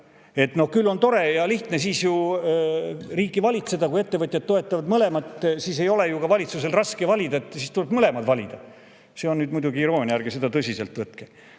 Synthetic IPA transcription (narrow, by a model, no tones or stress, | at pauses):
e̞t̪no̞hkylːo̞nt̪o̞ɾe̞jɑliht̪ne̞siːsju | riːkːˑivɑlʲit̪se̞d̪̥ɑkuje̞t̪ːe̞vɤt̪ʲjɑd̪̚t̪o̞e̞t̪ːˑɑvɑd̪mɤle̞mɑt̪ˑsiːse̞jo̞le̞jukɑvɑlʲit̪suse̞lrɑskevɑlʲid̪ɑet̪ːˑsiːst̪ule̞bmɤle̞mɑd̪vɑlʲid̪̥ɑ | se̞o̞nnyːd̪mujd̪uɡiːɾo̞ːnʲjærɡ̥ese̞d̪ɑt̪ɤsʲise̞lt̪vɤt̪ke